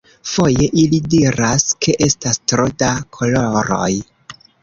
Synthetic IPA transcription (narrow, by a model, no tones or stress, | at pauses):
fo̞je̞ʔilidiɾaskʰe̞ʔe̞stastɾo̞dakʰo̞lo̞ɾo̞̰j